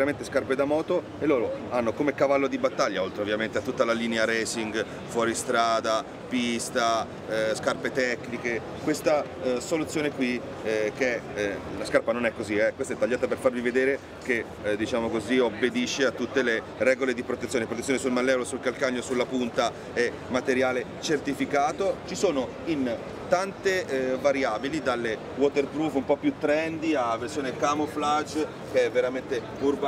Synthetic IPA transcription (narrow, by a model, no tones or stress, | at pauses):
ɾament̪eskarped̪amɔːt̪o | elːoːɾoanːokomekavalːod̪ibat̪ːaʎːaolt̪ɾeovːjament̪eat̪ːut̪ːalaliːneaɾɛːsiŋɡ | fwɔːɾist̪ɾaːd̪a | pist̪a | skarpet̪ɛkːnike | kwest̪a | solut̪sːjoːnekwi | k̟ɛlaskarpanonɛkːoziɛkwest̪ɛt̪ːaʎːaːt̪aperfarvived̪eːɾe | k̟e | d̪it͡ʃaːmokoziobːed̪iʃːeat̪ːut̪ːele | rɛːɡoled̪ipɾot̪et̪sjoːnepɾot̪esːjonesulmalːɛolosulkalkaɲːosulːapunt̪a | ɛ | mat̪eɾjaːlet͡ʃert̪ifikaːt̪ot͡ʃisoːno | in | t̪ant̪evaɾjaːbilid̪alːe | wɔt̪erpɾufumpɔpːjut̪ːɾɛnd̪iaversjoːnekamoflat͡ʃː | keɛvːeɾament̪e | urba